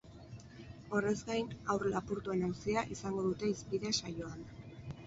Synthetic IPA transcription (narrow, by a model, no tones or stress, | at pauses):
o̞re̞zɡajnawrlapuɾt̪ue̞nawsiaʔisaŋɡo̞ðut̪e̞ispiðe̞sajo̞an